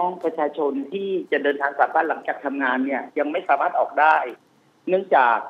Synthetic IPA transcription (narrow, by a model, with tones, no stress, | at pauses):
ɔ˦˥˩ŋpʰɾa˧t͡ɕʰaː˧t͡ɕʰo˧nt̪ʰiː˥˩t͡ɕa˨˩ʔdɤː˧nt̪ʰaː˧ŋsaː˩˦pʰaː˥˩t̪la˨˩˦ŋt͡ɕaː˨˩k̚t̪ʰa˧mŋaː˧nːi˥˩ɐja˧ŋma˥˩jsaː˩˦maː˥˩ʔɔː˨˩k̚daː˥˩j | nɯ˥˩əŋt͡ɕaː˨˩k̚